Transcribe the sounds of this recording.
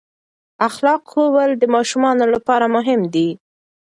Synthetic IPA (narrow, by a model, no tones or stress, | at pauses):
axlɑqxowəld̪əmɑʃumɑnolapɑɾamʊɦɪmd̪i